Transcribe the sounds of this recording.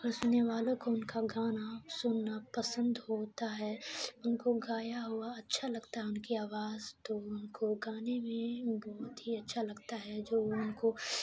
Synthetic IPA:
ɡəɾsʊnːeʋaːlõkoʊnkaɡaːnasʊnːapɐsə̃nd̪ɦoːt̪aɦɛʊnkoɡaːjaɦʊaɐtːʃʰalɐɡt̪aɦɛʊnkiaːʋaːzt̪oʊnkoɡaːnemẽbɔːt̪ɦiɐtːʃʰalɐɡt̪aɦɛd͡ʒoːʊnko

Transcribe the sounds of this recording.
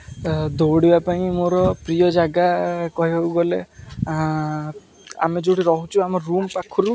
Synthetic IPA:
d̪oɽibapaĩmoɾɔpɾijɔd͡ʒaɡakɔɦiɦewɡɔle | a̰med͡ʒoɽiɾɔɦut͡ʃʰuamɔɾːumpakʰɔɾu

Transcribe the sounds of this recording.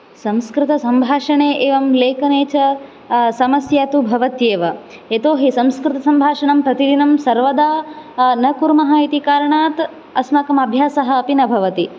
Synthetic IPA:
sɐ̃mskɾɪt̪ɐsɐmbʱaːʂɐɳeːʔeːʋɐmleːkɐneːt͡ʃɐ | sɐmɐsjaːt̪ubʱɐʋɐt̪jeːʋɐ | et̪oːɦisɐmskɾɪt̪ɐsɐmbʱaːʂɐɳɐmpɾɐt̪id̪inɐmsɐɾʋɐd̪aːnɐkuɾmɐɦɐit̪ikaːɾɐɳaːt̪ | ɐsmɐkɐmɐbʱjaːsɐɦɐ̆ːpinɐbʱɐʋɐt̪i

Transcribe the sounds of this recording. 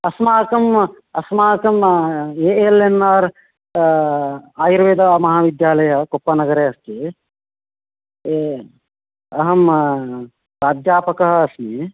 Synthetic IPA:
ɐsmaːkɐm | ɐsmaːkɐmeːelenːaːɾ | aːjiɾʋeːd̪ɐʋaːmɐɦaːʋid̪jaːlɐjɐkopːɐnɐɡɐɾeːɐst̪i | ɐɦɐm | ɾaːd͡ʒ̪jaːpɐkɐɦɐːsmi

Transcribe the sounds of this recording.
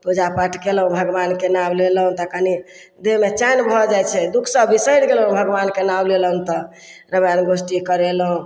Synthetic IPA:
pud͡ʒapəʈʰkelɦũbʱəɡbankenablelɦũt̪əkani | d̪emet͡ʃanbʱɔd͡ʒajt͡ʃʰɛd̪ukʰsəbːisəjnɡelɦũbʱəɡbankenableləɦũnt̪ɔ | ɾəbjanɡosʈikəɾelɦũ

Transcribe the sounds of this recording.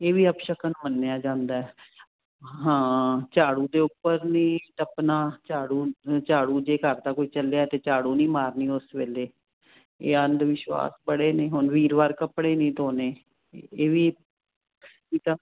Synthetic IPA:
eːʋiːəpʃəkənmənːeaːd͡ʒãːnd̪aːɛ | ɦãːt͡ʃaːɽuːd̪eːʊpːəɾnĩːt̪əpnaːt͡ʃaːɽuːt͡ʃaːɽuːd͡ʒeːkəɾd̪aːkoːiːt͡ʃəlejaːt̪eːt͡ʃaːɽuːnĩːmaːɾniːʊsʋeːleː | ḛːənd̪ʋɪʃwa̰ːsbəɽeːnẽːɦʊnʋiːɾʋaːɾkəpɽeːnĩːt̪oːneː | eːʋiː | kiːt̪aː

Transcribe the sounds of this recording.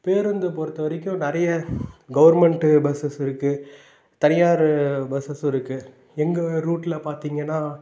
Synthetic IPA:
peːɾɐnd̪ɯpoːɾt̪ːɐʋɐɾɪkʲːʊ̃nɪɾɐjɐɡɐʋɐɾmɛɳʈɯbɛsɐsɪɾɯkːɯ | t̪ɐnɪjaːɾɯbɐsɐsɪɾɯkːɯ | ɛŋɡɐɾuːʈːɪlɐpaːɾt̪iːŋɡɐnːaː

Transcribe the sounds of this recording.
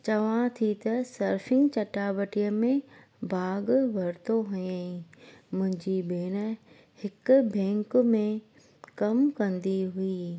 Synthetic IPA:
t͡ɕɐʋãt̪ʰit̪ɐsɐɾfɪ̃ŋɡt͡ɕɐʈaːbɐʈijəmẽ | bʱaːɡʋɐɾt̪oɦʊjẽ | mʊ̃ɦɪ̃ɲd͡ʑibeːñə | hɪkʊbɛ̃ːŋkmẽ | kɐmkɐ̃nd̪iɦuiː

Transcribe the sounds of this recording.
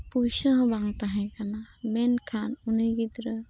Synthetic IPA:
pujsəɦbaŋt̪aɦɛ̃kanamɛnkʰanunɯɡid̪ɾə

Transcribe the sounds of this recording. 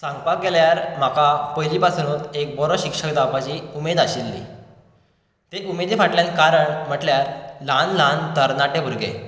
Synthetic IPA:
sãŋɡpak̚ɡeljaɾm̤akapojlipasnuːt̪ek̚bɔɾɔɕikʂəkd̪apat͡ɕiːumed̪aɕilːḭ | t̪eʔumed̪efaʈljãlkaɾəɳm̤əʈljaɾlanlãnt̪əɾnaʈebʱuɾɡḛ

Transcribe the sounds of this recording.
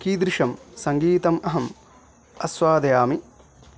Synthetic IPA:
kiːd̪ɾɪʂɐmsɐŋɡiːt̪ɐmɐɦɐm | ɐsʋaːd̪ɐjaːmi

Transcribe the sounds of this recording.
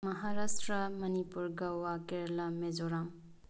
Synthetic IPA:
mɐɦaɾastɾɐmɐnipuɾɡɐwakeɾlɐmed͡ʒɔɾam

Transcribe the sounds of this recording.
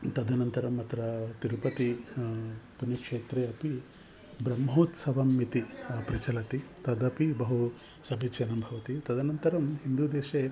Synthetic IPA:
t̪ɐd̪ʱɐnɐnt̪ɐɾɐmːɐt̪ɾɐt̪iɾupɐt̪i | punjɐkʂeːt̪ɾeːɐpi | bɾɐmɦoːt̪sɐʋɐmːit̪ipɾit͡ʃɐlɐt̪it̪ɐd̪ɐpibɐɦu | sɐbʱit͡ʃɐnɐmbʱɐʋɐt̪it̪ɐd̪ʱɐnɐnt̪ɐɾɐmɦind̪ud̪eːʃeː

